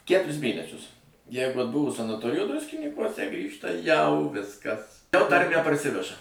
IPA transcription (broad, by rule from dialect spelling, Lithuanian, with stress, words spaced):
ˈkʲætʊrʲɪs ˈmʲeːnʲɛsʲʊs ˈjɛɪɡʊ ɐdˈbʊʋoː sɐnɐˈtoːrʲɪjoː ˈdrʊsʲkʲɪnʲiːkuɔsʲɛ ˈɡrʲiːʃtɐ jɛʊ ˈʋʲɪskɐs jɛʊ ˈtɐrʲmʲæː pɐrʲˈsʲɪʋʲɛʒɐ